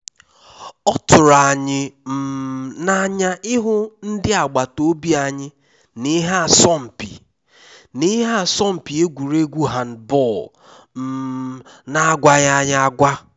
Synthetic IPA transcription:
ɔ˦tʊ˨ɾa˨ɲɪ˨m̩˨na˨ɲa˦ʔɪ˦ɦʊ˦n̩˦dɪ˦a˨ɡ͡ba˨to˦bi˦a˨ɲɪ˦ | nɪ˦ɦa˦˨sɔ˦˨m̩˨pḭ˨ | nɪ˦ɦa˦˨sɔ˦m̩˨pi˨e˦ɡʷu˨ɾe˦ɡʷu˦ɦa˨n̩˨bɔ˦˨l | m̩˨˦ | na˦ɡʷa˦ɣa˦ɲa˦a˦ɡʷa˦

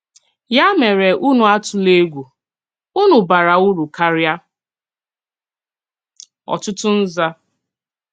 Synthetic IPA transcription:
ja˦me˨ɾe˨ʔu˦nʊ˨a˦tʊ˨le˦ɡʷu˨ | u˦nʊ˨ba˨ɾa˨u˦ɾu˨ka˦ɾja˦ | ɔ̰˨tʊ˦tʊ˦n̩˦za˦

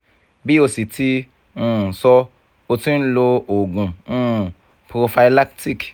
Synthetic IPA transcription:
bi˦o˧si˨tʰi˧ | ũ˦˨sɔ˧ | o˧tĩ˦n˦lo˧o˨ɡũ˨ũ˦˨ | pɾo˧fa˧i˧la˦kti˦˨k

